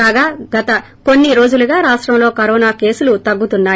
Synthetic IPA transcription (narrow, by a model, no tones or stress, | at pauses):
aːɡaːɡɐt̪ɐ | ko̞nːiɾo̞ːd͡ʒuluɡaːɾaːʂʈɾɐmlo̞ːkɐɾɔːnaːke̞ːsulut̪ɐɡːut̪unːaː